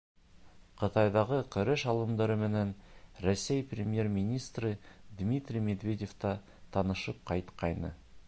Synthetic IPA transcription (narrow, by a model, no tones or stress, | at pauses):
qʰə̆t̪ɑjd̪ɑʁəkʲʰɵ̆ɾɘʃɑlˠə̆md̪ɑɾəmĕnenɾosːejprʲemʲje̞rmʲinʲijst̪rəd̪mʲit̪rʲijme̞d̪vʲe̞dʲe̞ft̪ɑ | t̪ʰɑnəʃəp̚qʰɑjt̪qɑjnə̰